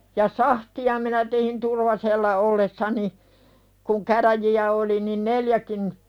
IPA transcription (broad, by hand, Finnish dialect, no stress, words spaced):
jɑ sɑhtiɑ minæ tehin turʋɑselːɑ olːesːɑni kuŋ kæræjiæ oli nin neljækin